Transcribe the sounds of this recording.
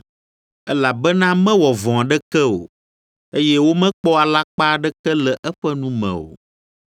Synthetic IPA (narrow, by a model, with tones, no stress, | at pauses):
ɛ˦la˨bɛ˦nã˦mɛ̃˦wɔ˨vɔ̃˨a˨ɖɛ˦kɛ˦o̰˨ | e˦jɛ˦wo˦mɛ̃˦k͡pɔ˦a˨la˦k͡pa˦ɖɛ˦kɛ˦lɛ˨ʔɛ˦ɸɛ˦nũ˦mɛ̰̃˨o̰˨